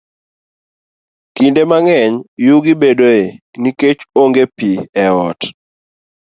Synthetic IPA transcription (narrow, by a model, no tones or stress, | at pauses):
kindemaŋɛɲjuɡibedoe | niket͡ʃoŋɡepiɛɔt